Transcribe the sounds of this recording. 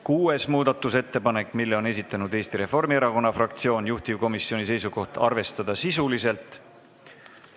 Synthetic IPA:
kuːe̞smuːd̪ɑt̪ːˑuse̞t̪ːe̞pɑne̞kːˑmilːeo̞ne̞s̬it̪ːˑɑnud̪e̞ːst̪iɾe̞fo̞rmie̞ɾɑko̞nːɑfrɑkt̪sio̞ːnjuht̪ivko̞misːio̞nis̬e̞jsuko̞ht̪ɑ̰rve̞st̪ɑd̪̥ɑsisulise̞lt̪ˑ

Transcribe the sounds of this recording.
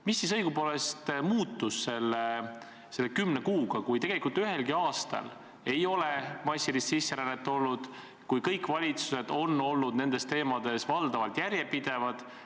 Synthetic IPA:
misːisɤjɡupoːle̞st̪muːt̪ːusse̞lːe | se̞lːekymnekuːɡ̥ɑkujt̪e̞ɡ̥e̞likˑult̪yɦe̞lɡiɑːst̪ɑ̰l | e̞jo̞le̞mɑsʲːilissisːeɾænːet̪ːˑo̞lːud̪̥ | kujkɤjkːˑvɑlʲit̪su̥se̞d̪̥o̞nːo̞lːud̪̥ne̞nd̪̥e̞st̪e̞ːmɑd̪̥e̞svɑld̪ɑvɑlt̪jæɾje̞pid̪̥e̞vɑd̪̥

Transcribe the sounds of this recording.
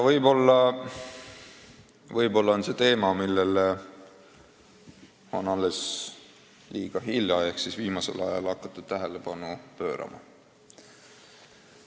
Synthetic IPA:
jɑvɤjbo̞lːɑ | vɤjbo̞lːɑonse̞t̪e̞ːmɑmilːele | onɑlːe̞s | liːɡ̥ɑɦiljɑehksisviːmɑse̞̰lɑ̰jɑlɑkˑːɑt̪ːˑud̪̥t̪æɦe̞le̞bɑnupø̞̰ːɾɑ̰mɑ̰

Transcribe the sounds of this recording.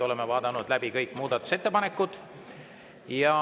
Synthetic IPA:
o̞le̞mevɑːd̪̥ɑnud̪̥læbikɤjkːˑmuːd̪̥ɑt̪ːˑu̥se̞t̪ːˑepɑne̞kːˑud̪̥ | jɑ

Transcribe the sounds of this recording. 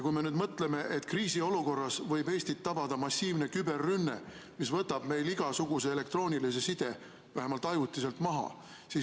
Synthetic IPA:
kujme̞nyːd̪mɤt̪ːˑle̞me̞ʔet̪ːˑkriːsio̞luko̞rːɑsvɤ̞jbe̞ːst̪it̪ːɑbɑd̪̥ɑmɑsʲːiːvne̞kybe̞rːynːe̞̰ | misvɤt̪ːˑɑb̥me̞jliɡ̥ɑsuɡ̥use̞ele̞kt̪ro̞ːnʲilis̬e̞sid̪̥e̞ | væɦemɑlt̪ːˑɑjut̪ːˑise̞lt̪mɑɦɑ̰ | siː

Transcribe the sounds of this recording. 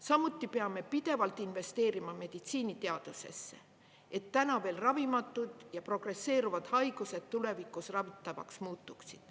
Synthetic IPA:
sɑmut̪ːˑipe̞ɑme̞pid̪̥e̞vɑlt̪ˑinve̞st̪e̞ːɾimɑme̞d̪̥it̪siːnit̪e̞ɑd̪̥use̞̰sːe̞̰ | e̞t̪ːænɑve̞ːlrɑvimɑt̪ːˑud̪̥jɑpro̞ɡ̥re̞sːe̞ːɾuvɑd̪̥hɑjɡ̥use̞d̪̥t̪ːule̞vikˑːusrɑvit̪ːˑɑvɑ̰ksmuːt̪ːˑuksid̪̥

